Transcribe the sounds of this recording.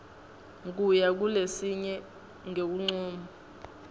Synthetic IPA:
ŋk̬ʼujak̬ulesiɲɛ | ŋek̬uŋ͡ǀuːmu

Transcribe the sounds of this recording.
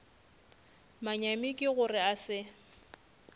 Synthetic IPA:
maɲamɪkʼɪɣʊrɪasɪ

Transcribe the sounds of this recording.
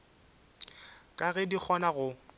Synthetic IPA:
kʼaɣɛdik͡xʰɔnaɣʊ

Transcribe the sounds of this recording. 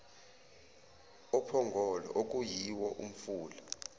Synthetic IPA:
ɔpʰɔŋɡʱɔlɔ̰ʔok̬ʼujiwɔʔṵm̩fuːla

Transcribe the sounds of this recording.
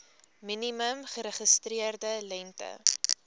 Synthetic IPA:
miniməmχəɾəχəstriərdəlɛntə̰

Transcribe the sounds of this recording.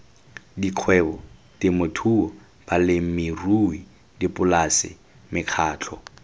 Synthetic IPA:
diq͡χʰwɛbɔtɪmotʰuɔ | b̥alɪm̩mɪrui | dipʼʊlasɪ̰ | mɪq͡χʰaːt͡ɬʰɔ

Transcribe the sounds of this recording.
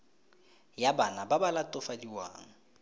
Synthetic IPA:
jabanababalatʼʊfadiwa̰ːŋ̩

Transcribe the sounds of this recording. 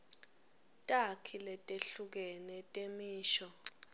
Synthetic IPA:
tʼakʰilɛtʼeɬuk̬ɛnɛtʼemiːʃɔ

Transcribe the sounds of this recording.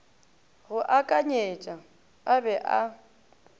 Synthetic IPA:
ɣʊʔakʼaɲet͡ʃʼa | abɛʔa

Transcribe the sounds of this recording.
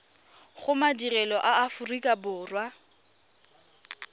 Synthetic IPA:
χʊmadirɛlɔʔaːfʊrikʼabʊːrwa

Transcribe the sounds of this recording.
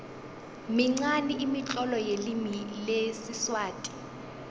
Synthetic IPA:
miŋ͡ǀaniʔimit͡ɬʼɔlɔjelimilesiswaːtʼi̥

